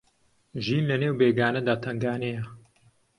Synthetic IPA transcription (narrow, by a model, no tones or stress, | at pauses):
ʒiːnlɐneːwbeːɡaːnɐd̪aːt̪ʰɐŋɡaːnejɐ